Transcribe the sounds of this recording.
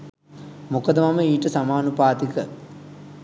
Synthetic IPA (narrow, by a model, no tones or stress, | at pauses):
mukɐd̪ɐmɐməiːʈəsamaːnupaːt̪ikə